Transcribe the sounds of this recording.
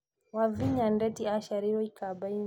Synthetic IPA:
waviɲandɛtiaʃaɾiɾɔikʰabain

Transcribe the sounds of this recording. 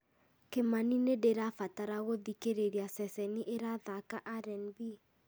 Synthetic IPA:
kemaninedeɾafataɾaɣoðikeɾeɾiasɛsɛniʔeɾaðakaʔaɾɛnbi

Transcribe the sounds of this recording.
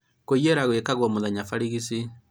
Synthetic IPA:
kojeɾaɣwekaɣwɔmoðaɲafaɾiɣisi

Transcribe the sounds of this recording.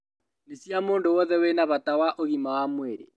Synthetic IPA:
nesjamoːndowɔðɛwenaβatawaʔoɣimawamweɾḛ

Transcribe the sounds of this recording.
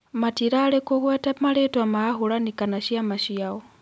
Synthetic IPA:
matiɾalɛkɔhwɛtamalɛtwamaːɦulanikanaʃiamaʃiaɔ

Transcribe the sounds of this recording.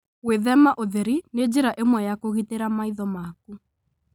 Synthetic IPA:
weðɛmaʔoðɛɾined͡ʑeɾaʔemwɛjakoɣiteɾamaiðɔmak̚u

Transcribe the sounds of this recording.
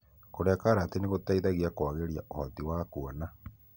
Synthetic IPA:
koɾeakaɾaːteneɣotaiðaɣiakwaɣeɾjaʔohatiwaːkuɔna

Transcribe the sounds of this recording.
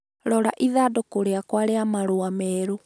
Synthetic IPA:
ɾɔɾaʔiðadokoɾeakwaɾeamaɾoamɛːɾo

